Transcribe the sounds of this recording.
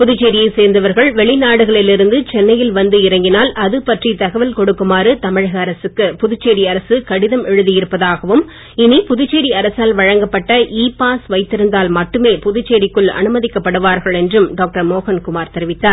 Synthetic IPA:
pʊðʊt͡ʃːeːɾɪjɐɪseːɾnd̪ɐʋɐɾɣɐɭʋɛɭɪnaːɽɯɣɐɭɪlɪɾɯnd̪ɯt͡ʃɛnːɐjɪlʋɐnd̪ɯɪɾɐŋɡɪnaːlɐðɯpɐʈrit̪ɐɣɐʋɐlkɔɽɯkːɯmaːɾɯt̪ɐmɪɻɐɣɐːɾɐsɯkːɯpʊðʊt͡ʃːeːɽiɐɾɐsɯkɐɽɪðɐmɛɻɯðɪjɪɾɯpːɐðaːɣɐʋɯm | ɪnipʊðʊt͡ʃːeːɽiɐɾɐsaːlʋɐɻɐŋɡɐpːɐʈːɐʔiːpaːsʋɐɪt̪ːɪɾɯnd̪aːlmɐʈːɯmeːpʊðʊt͡ʃːeːɽɪkːɯɭɐ̰nɯmɐðɪkːɐpːɐɽɯʋaːɾɣɐɭɛndrɯmɖoːk̚ʈɐɾmoːɣɐnkʊmaːɾt̪ɛɾɪʋɪt̪ːaːɾ

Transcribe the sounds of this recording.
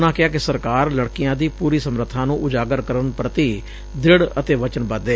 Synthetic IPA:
nãːkɪaːkɪsəɾkaːɾləɽkɪjãːd̪iːpuːɾiːsəmɾət̪ʰːãːnũːʔʊd͡ʒaːɡəɾkəɾənpɾət̪iː | d̪ɪɽət̪eːʋət͡ʃənbəd̪eː

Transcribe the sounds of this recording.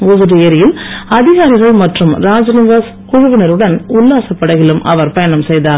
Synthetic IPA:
ʊðɯɾɪɐɾɪjɪlɐðɪɣaːɾɪɣɐɭmɐʈrɯmɾaːd͡ʒɐnɪʋaːs | kʊɻʊʋɐnɐɾɯɽɐnʊlːaːsɐpːɐɽɐɣɪɭɯmʔɐʋɐɾpɐjɐnɐmsɛjðaːɾ

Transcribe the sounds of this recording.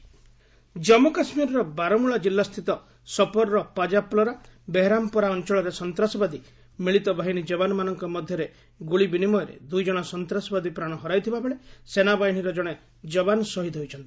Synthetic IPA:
d͡ʒɔmɔkasmiɾɔɾɔbaɾɔmuɭad͡ʒilːast̪ʰit̪ɔ | sɔpɔɾɾɔpad͡ʒaplɔɾabeɦeɾampɔɾaɔnt͡ʃɔɭɔɾesɔnt̪ɾasɔbad̪i | miɭit̪ɔbʱaɦiɽ̃id͡ʒɔbanɔmanɔŋkɔmɔd̪ʱjɔɾe | ɡuɭibinimɔjɔɾḛd̪ujd͡ʒɔɽ̃ɔsɔnt̪ɾasɔbad̪ipɾaɽ̃ɔɦɔɾajt̪ʰibabeɭesenabaɦiɽ̤̃iɾɔd͡ʒɔɽ̃e | d͡ʒɔbanɔsɔɦid̪ʰʱɔɦojt͡ʃʰɔnt̪i̥

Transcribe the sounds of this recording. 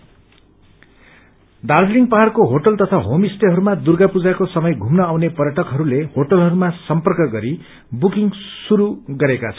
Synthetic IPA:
d̪ard͡zliŋpaɦarkoɦoʈʌlt̪ʌt̪ʰaɦomisʈeɦʌɾumad̪urɡapud͡zakosʌmʌjɡʱumnʌawnepʌrjʌʈʌkɦʌɾulehoʈʌlɦʌɾumasʌmpʌrkʌɡʌɾi | bukiŋsuɾuɡʌɾekat͡sʰʌ

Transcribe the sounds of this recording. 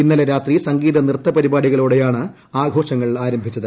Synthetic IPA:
inːɐleɾaːt̪risɐŋɡiːðɐnirt̪ːɐpɐɾibaːɽiɣɐɭoːɽejaːɳɨ | aːɡʱo̞ːʂɐŋːɐɭaːɾɐmbʱit͡ɕːɐðɨ

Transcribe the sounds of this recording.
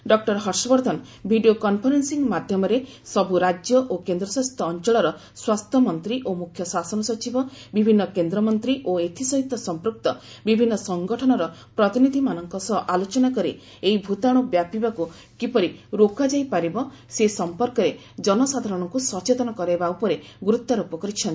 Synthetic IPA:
ɖɔk̚ʈɔɾɦɔɾsɔbɔɾd̪ʱɔn | bʱiɖiokɔnpʰɔɾensiŋmad̪ʱjɔmɔɾe | sɔbʱuɾad͡ʒjɔʔokend̪ɾɔswast̪ʰɔːnt͡ʃɔɭɔɾɔ | swast̪ʰjɔmɔnt̪ɾiʔomukʰjɔsasɔnɔsɔt͡ʃibɔbibʱinːɔkend̪ɾɔmɔnt̪ɾiʔoet̪ʰisɔɦit̪ːɔsɔmpɾuk̚t̪ɔ | bibʱinːɔsɔŋɡɔʈʰɔnɔɾɔpɾɔt̪inid̪ʱimanɔŋkɔsɔɦʔalot͡ʃɔnakɔɾi | eibʱut̪aɽ̃ubjapibaku | kipɔɾiɾokad͡ʒajpaɾibɔ | sesɔmpɔɾkɔɾe | d͡ʒɔnɔsad̪ʱaɾɔɽ̃ɔŋkusɔt͡ʃet̪ɔnɔkɔɾebaupɔɾeɡuɾut̪ːaɾupɔkɔɾit͡ʃʰɔn

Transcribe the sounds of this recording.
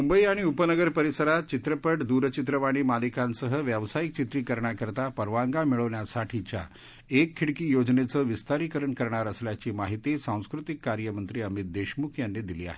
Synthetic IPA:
mumbəiaɽ̃iupənəɡəɾpəɾisəɾat̪t͡ɕit̪ɾəpəʈd̪uɾt͡ɕit̪ɾəʋaɽ̃iːmalikãnsəɦəʋjəʋsajik̚t͡ɕit̪ɾiːkəɾɳjakəɾt̪apəɾʋaŋɡamiɭəʋɳjasaʈʰit͡ɕja̰ | ekʰːiɽkiːjod͡ʑnet͡səːʋist̪aɾikəɾəɳkəɾɳaɾəsljat͡ɕiːmaɦit̪isãw̃skɾut̪ikːaɾjəmənt̪ɾiːəmit̪̚d̪eɕmukʰjanːed̪iliːa̰ɦe

